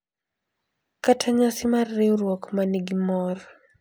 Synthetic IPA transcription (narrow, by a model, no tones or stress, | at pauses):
katʰaɲasɪmarːɪɾwɔkmaniɡimɔr